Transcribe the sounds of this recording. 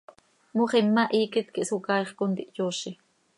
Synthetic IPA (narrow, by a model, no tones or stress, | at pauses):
muχemːaʔiːkit̪kiʔsukɑjχkont̪iʔjoʃi